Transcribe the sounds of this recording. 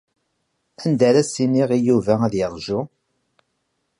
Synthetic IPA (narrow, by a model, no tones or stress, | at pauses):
ænd̪æɾæsiniʁijuvææðjɑɾˤʒʊ